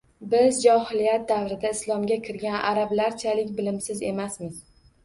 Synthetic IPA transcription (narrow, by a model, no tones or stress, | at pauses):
bɪzd͡ʒɒhɪlijat̪̚d̪avɾɪd̪aɪslˠɒmɡʲakʲʰɪɾɡʲanʔaɾablaɾt͡ʃʰalɪkʲbɪlɪmsɪze̞masmɪz̥